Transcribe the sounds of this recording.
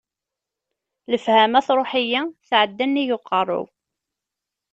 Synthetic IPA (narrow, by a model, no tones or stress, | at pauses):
ləfhæmæθɾˤoħəjaθʕəd̪ːænːijʊqːɑrˤːʊ̰w